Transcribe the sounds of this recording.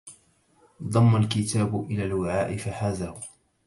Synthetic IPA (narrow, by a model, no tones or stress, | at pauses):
d̪ˤɑmːalkɪt̪ʰaːbʊʔɪlaːlwɪʕaːʔɪfaħaːðaːhʊ